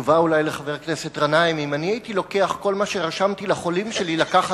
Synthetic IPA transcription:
vaulajleχave̞ʁkne̞set̪ʁanaimimaniajit̪ilo̞ke̞aχko̞lmaʃeʁaʃamt̪ilaχo̞limʃe̞lilakaχa

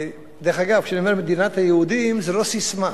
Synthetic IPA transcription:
d̪ɛɾχaɡav̥kʃaniomɛɾmed̪inat̪hajeud̪imzɛɾosisma

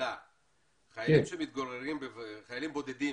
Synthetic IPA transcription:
a | χajaimʃemit̪̚ɡoʁeʁimbevχajalimbo̞d̪ed̪i

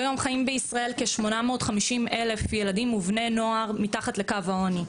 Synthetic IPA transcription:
ajo̞mχajimbeisʁae̞lke̞ʃmo̞nameotχamiʃimele̞fjeladimuvne̞no̞aʁmitaχatle̞kavhaoni

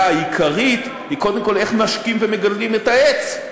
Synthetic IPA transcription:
ajikʰaʁit̪ | hiko̞d̪emko̞le̞χnaʃkimveme̞ɡallime̞taet͡s

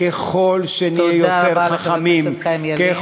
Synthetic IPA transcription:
keχo̞lʃenijejot̪eʁχaχamimke

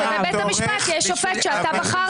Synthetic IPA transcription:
ebet̪hamiʃpat̪jɛʃofet̪ʃeat̪abaχa

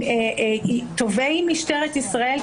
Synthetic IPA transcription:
t̪ovejmiʃteʁet̪isʁael

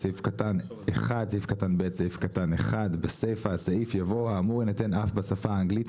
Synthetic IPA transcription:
aifkatan | eχad̪̚saifkatanbet̪saifkataneχad̪besejfasaifjavo̞aːmuʁinatenʔafbasafaːŋɡlit

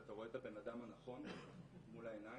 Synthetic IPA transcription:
at̪aʁo̞e̞t̪abe̞nad̪amhanaχo̞nmulaena

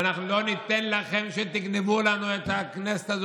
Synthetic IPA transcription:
naχnulonit̪enlaχemʃet̪iɡnevulanuet̪aknese̥t̪az

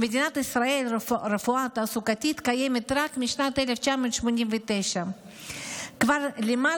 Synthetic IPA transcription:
mɛd̪inat̪isɾaɛlɾɛfuat̪asukat̪it̪kajɛmɛt̪ɾakmiʃnat̪ɛlɛft͡ɕamənt͡ʃmuɲimvit̪ɛʃa | kvaɾlima

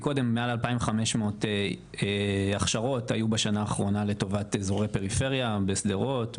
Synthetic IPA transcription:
ko̞de̞mːealalpaimvχameʃmoote | eaχʃaʁo̞tajubaʃanaːχʁo̞nale̞to̞vatezo̞ʁepe̞ʁife̞ʁjabe̞sd̪eʁo̞t

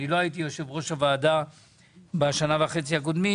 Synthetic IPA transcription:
ilo̞ait̪̬ijoʃe̞vʁo̞ʃhavaːd̪a | baʃanavaχet͡sihak̬od̪mi

